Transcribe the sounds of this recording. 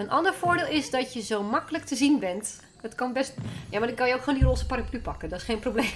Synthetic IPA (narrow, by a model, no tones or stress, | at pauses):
ənʔɑndəɹfoːɹdɪːlˠɪsdɔtjəzowmɑkələk̚tʰəzinbɛnt | dɔtkɔnbɛstjamadɪtkɔjəokxχoːndiroːsə̥paraplypɑkədɔtɪ̥sχejnprobleːm